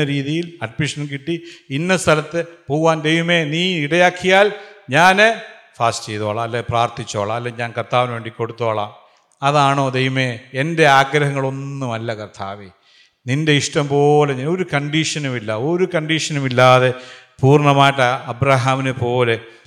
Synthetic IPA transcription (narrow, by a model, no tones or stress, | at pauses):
ɐɾiːðijilɐɖmiʂɐnkiʈːiinːɐst̪ʰɐlɐt̪ːɨpoːɣʋaːnd̪e̞jʋɐme̞niːiɽɐjaːkʰːijaːlɲaːne | faːstt͡ɕejðoːɭɐɐlːepraːrt̪it͡ɕːoːɭɐɐlːeɲaːnkɐrt̪ʰːaːʋinʋe̞ːɳɖikːo̞ɽut̪ːoːɭaːm | ɐðaːɳo̞ːd̪e̞jʋɐme̞ːende̞aːɡɾɐɦɐŋːɐɭo̞nːumɐlːɐkɐrt̪ʰaːʋi | ninde̞iʂʈɐmpo̞ːleɲaːno̞ɾukɐɳɖiʂɐnumilːɐo̞ɾukɐɳɖiʂɐnɐmilːaːðe | puːrɳɐmaːjiʈːɐɐbɾaɦaːminɨpo̞ːle̞